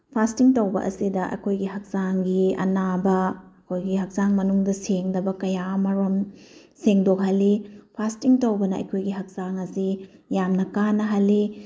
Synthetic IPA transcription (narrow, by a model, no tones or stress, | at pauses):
pʰastiŋtɐwbɐ̰ʔɐ̰sidɐʔɐ̰kʰojɡiɦɐk̚z̥aŋɡiɐ̰nabɐɐkʰojɡiɦɐk̚zaŋmɐnuŋdɐseŋdɐbɐkɐjamɐɾom | seŋdok̚ɦɐlːipʰastiŋtɐwbɐnɐɐ̰jkʰojɡiɦɐk̚zaŋɐsijamnɐkanːɐɦɐlːi